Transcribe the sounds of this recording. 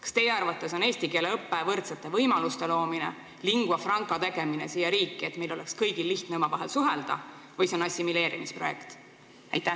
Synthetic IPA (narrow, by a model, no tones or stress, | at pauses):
kɑ̥st̪e̞jeɑrvɑt̪ːˑe̞so̞ne̞ːst̪ike̞ːleɤpːevɤrt̪set̪ːˑe̞vɤjmɑlust̪e̞lo̞ːminḛ | liŋɡ̥uwɑfrɑŋkˑɑt̪e̞ɡ̥e̞mine̞siːjɑɾiːkːˑiet̪me̞jlo̞lekskɤjɡilːiht̪neomɑvɑɦelsuɦeld̪̥ɑ̰ | vɤjseonɑsʲːimile̞ːɾimispro̞jekt̪ | æjt̪ːæ